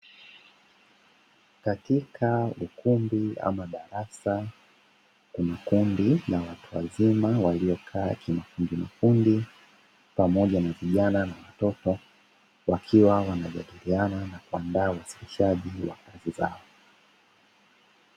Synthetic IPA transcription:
katikʰaukumbia̰maɗaɾasa | kunakundinawatuwa̰zimawaliɔkʰaːkimafundimafundi | pamɔʄanaviʄananawatɔtɔ | wakʰiwawanaʄaɗiliananakuandaːuwasi̥liʃaʄiwa̰kaziza̰ɔ

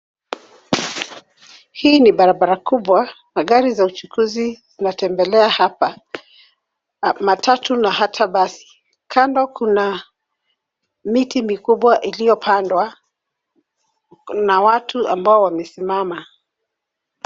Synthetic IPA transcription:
hiːniɓaɾaɓaɾakuɓwa | naɠaɾizaut͡ʃukʰuzizinatɛmbɛlɛahapa | matʰatunahatʰaɓasi̥ | kʰandɔkʰuna | mitimikuɓwaʔilijɔpʰandwa | nawatʰuambaɔwamɛsimama

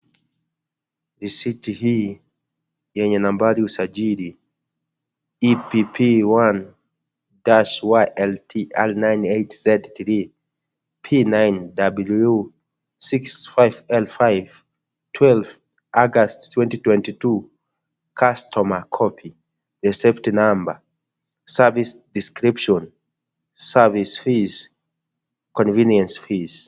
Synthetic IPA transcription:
ðisitihi | jɛɲanãmbaliusad͡ʒidi | ipipʰiwan | daʃwaʔɛltʰiʔɛlnãjnejtz̥ɛdtɾi | pʰinãjndabuluu | siksfajvɛlfajv | tʰwɛlf | ʔaɡasttʰːwɛ̃ntitwɛ̃ntitu | kʰastʰɔmakʰɔpʰi | ɹɛsɛptinãmbə | savisdiskɹipʃɔ̃n | savisfiz | kɔ̃nvĩnjɛ̃nsfiz̥

